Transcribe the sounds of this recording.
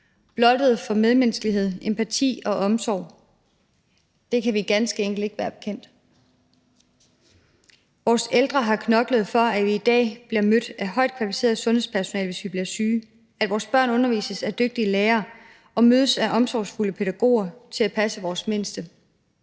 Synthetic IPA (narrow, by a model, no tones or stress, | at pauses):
b̥lɒ̽d̥əð̞̩ˠfɒ̽með̞ˠmensɡ̥əliɦe̝ð̞̰ˠempʰæt͡sʰḭːɒ̽ʔɒ̽msɒʊ | d̥e̝kʰæʋiɡ̥ænsɡ̥əeŋɡ̥l̩de̝ɡ̥əʋæːɐb̥e̝kʰen̰d̥ | ʋɒːseld̥ʁɐɦɑ̈kʰnɒ̽ɡ̥ləð̞̩ˠfɒ̽æʋiːd̥ɛ̰ːb̥liɐmød̥æɦɒ̽ɪ̰d̥̚kʰʋælifi̥se̝̰ːɐð̩ˠsɔ̽nhe̝spʰæɐso̝nɛ̰ːlʋe̝sʋib̥liɐsyː | æd̥ʋɒːsb̥ɶɐ̰nɔ̽nɐʋḭːsəsæd̥øɡ̥̚d̥ileːɐː | ɒ̽møːð̞ˠəsæʔɒ̽msɒʊsfuləpʰe̝ɾ̥æɡ̥o̝̰ːɐt͡sʰe̝læpʰæsəʋɒːsme̝nsd̥ə